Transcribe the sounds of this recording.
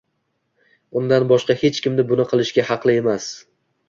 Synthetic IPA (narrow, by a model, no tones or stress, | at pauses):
ʊnd̪anbɒʃqɑhe̞t͡ʃkʲɪmnɪbʊnɪqʰɨlˠɪʃɡʲahɑqlˠɪe̞mas